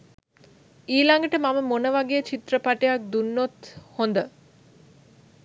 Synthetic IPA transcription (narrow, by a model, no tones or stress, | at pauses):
iːlaŋɡəʈəmaməmonəʋaɡejət͡ʃit̪rəpaʈejak̚d̪unːot̪hond̪ə